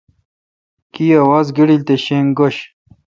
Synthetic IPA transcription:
kiɐwazɡiɽilt̪eɕeŋɡoɕ

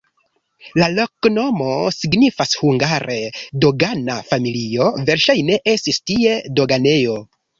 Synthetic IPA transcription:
lalo̞kno̞mo̞siɡnifashuŋɡaɾʔedo̞ɡanafamilio̞ve̞ɾʃajne̞ʔe̞stistie̞do̞ɡane̞jo̞

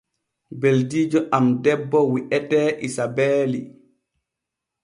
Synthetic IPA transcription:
beldiːd͡ʒɔʔamdɛbːɔwiʔɛtɛːʔisabeːlḭ

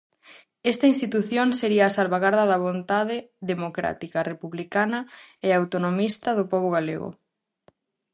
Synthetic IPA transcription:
ɛst̪ɐinst̪it̪uθjoŋseɾiɐːsalβaɣaɾðɐðɐβ̞ont̪aðeðemokɾa̰t̪ikarepuβlikanɐeawt̪onomist̪ɐðopɔβoɣalḛɣo̰

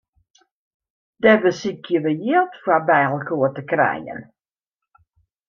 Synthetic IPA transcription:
d̥ɛbəsikjəʋəjɪəlˠtfabɛːlˠkuətəkrɛ̰jə̰n

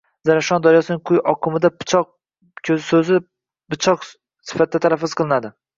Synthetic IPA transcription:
zaɾaʃɒnd̪ɒɾjɒsɪnɪŋqʰʊjɒqʰɨmɪd̪apt͡ʃʰɒq̚ | kʲʰɵzɪsɵzɪ | bɪt͡ʃʰɒq | sɪ̥fat̪ɪd̪at̪ʰalafːɪz̥qʰɨlˠɪnad̪ɪ

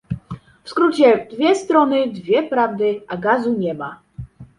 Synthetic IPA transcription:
fskɾut͡ɕɛd̪vʲjɛst̪ɾɔnɘd̪vʲjɛpɾavd̪ɘʔaɡazuɲɛma

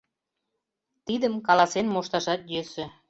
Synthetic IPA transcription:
t̪id̪əmkɑlɑsenmoʃt̪ɑʃɑt̪jøsĕ

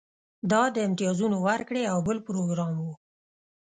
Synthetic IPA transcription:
d̪ɑd̪əɪmt̪ɪjɑzunowaɾkɽeawbəlpɾoɡɾɑmwu

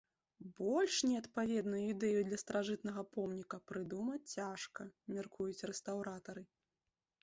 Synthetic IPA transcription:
bɔlʲʂnʲɛɐt̪pavʲɛd̪nujuid̪ɛjud̪lʲɐst̪ɾaʐɨt̪nɐɣɐpɔmnʲikɐpɾɨd̪umɐt͡sʲt͡sʲːaʂkɐmʲarkʰujut͡sʲrɛst̪awɾat̪ɐɾɨ

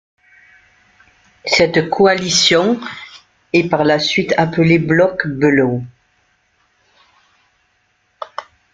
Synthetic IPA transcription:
sɛt̪kʰoalisjɔ̃ | ɛpaʁlasɥit̪apəleblɔkbəlo

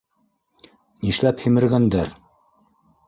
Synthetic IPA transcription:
niʃlæphimɘ̆ɾɡænd̪æɾ

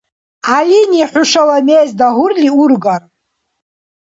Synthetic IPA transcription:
aliniħʷʊʂalamejzdaɦʊrlʲiurɡar

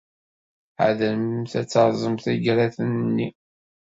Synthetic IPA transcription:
ʕa̰ðəmθæt͡sːɑɾˤzˤəmθiɡɾaθənnːi

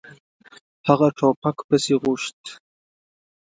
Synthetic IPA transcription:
haʁɐʈ͡ʂʰaːpʰakʷʰbɐsiːʁʷʊʂtʰ

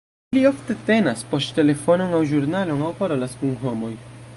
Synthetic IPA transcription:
lio̞fte̞te̞naspo̞stte̞le̞fo̞no̞ŋawʒuɾnalo̞ŋawpaɾo̞laskunɦo̞mo̞j

